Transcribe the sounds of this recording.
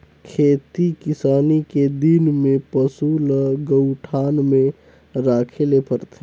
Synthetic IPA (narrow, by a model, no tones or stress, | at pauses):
kʰeːt̪ikɪsaːniked̪inmẽpəsuːləɡəʊʈʰaːnmẽ | ɾaːkʰelepʰəɾt̪e